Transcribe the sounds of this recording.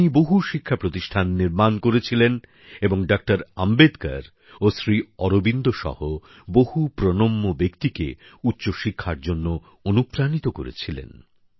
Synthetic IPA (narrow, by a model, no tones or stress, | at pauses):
niboɦuʃikʰːapɾot̪iʃʈʰanːiɾmankoɾet͡ɕʰilen | eboŋɖak̚ʈaɾambed̪ka̰ɾ | osɾiɔɾobind̪oʃɔ̰ho | boɦupɾonomːobekt̪ikḛutːɕoʃikʰːaɾd͡ʑonːo | onupɾanit̪okoɾḛt͡ɕʰilḛn